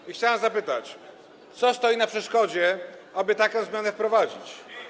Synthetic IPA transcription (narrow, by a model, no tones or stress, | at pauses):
ixt͡ɕawɛmzapɘt̪at͡ɕ | t̪sɔst̪ɔjinapʂɛʂkɔd͡ʑɛabɘt̪akɔ̃w̃zmʲjanɛfpɾɔvad͡ʑit͡ɕ